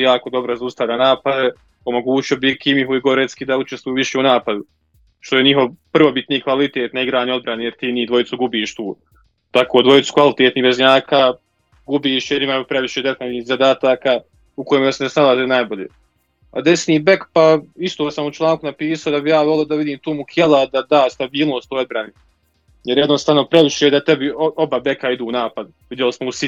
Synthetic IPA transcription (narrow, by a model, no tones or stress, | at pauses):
jaːko̞d̪o̞bɾozaust̪aʋlʎanaːpad̪e | o̞mo̞ɡuːt͡ʃio̞bikʰimiɦuiɡo̞ɾet̪skid̪aut͡ʃest̪ʋujuːʋiʃeːunaːpad̪u | ʃt̪oje̞ɲiɦo̞ʋpr̩ʋo̞bit̪niːkʋalit̪eːt̪naiɡɾaːnio̞d̪bɾanejeɾt̪iːniːd̪ʋo̞jit̪suɡubiːʃt̪uː | t̪akoːd̪ʋo̞jit̪su̥kʋalit̪eːt̪niːbezɲaːkʰaː | ɡubiːʃjeɾimajupɾe̞ʋiʃeːd̪et̪aniːhzad̪aːt̪aːkaː | uko̞jːmasenesnalˠazenaːjboʎḛː | a̰d̪esniːbe̞kpaist̪oːsamut͡ʃlˠaːŋkunapiːsaod̪abijaːʋolˠod̪aʋid̪iːmt̪uːmukʰelˠad̪ad̪aːst̪abiːlˠno̞ːst̪ojo̞d̪̚bɾani | jeɾjɛd̪nost̪aːʋnopɾeʋiʃed̪at̪ebioobabe̞kaid̪uːnaːpad̪ | ʋid̪jelismousi